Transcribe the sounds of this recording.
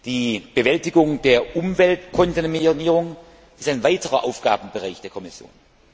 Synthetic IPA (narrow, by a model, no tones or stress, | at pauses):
d̥iːb̥əvɛltɪɡʊŋd̥eːɐʔʊmvɛltkʰɔntinminiːʁ̞ʊŋ | ɪstaɪnvaɪtəʁɐʔaʊfɡ̥a̰ːb̩bəʁaɪçd̥eːɐkʰɔmɪsjo̰ːn